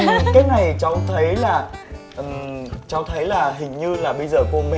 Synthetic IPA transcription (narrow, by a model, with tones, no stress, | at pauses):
kaː˨˦jna˨˩jt͡ɕɔ˧t̪ʰə˨˦jlaː˨˩ | ʔt͡ɕɔ˧t̪ʰə˨˦jlaː˨˩ɦï˨˩ŋ̟ɲɨ˧laː˨˩ɓə˧jzəː˨˩ko˧mɛ̰˧